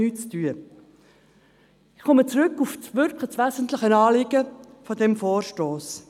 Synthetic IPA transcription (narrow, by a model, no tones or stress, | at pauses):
yːt͡styə | ɪχkɔmət͡sɾʏkːufsʋʏɾkʰləsʋæzənt̪ləχənɑːlɪɡ̥ə | fɔdɛmfoːrʃtoːs